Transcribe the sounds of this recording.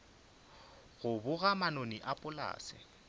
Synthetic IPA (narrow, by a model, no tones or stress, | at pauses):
ɣʊbʊɣamanoniʔapʼʊla̰ːsɪ̰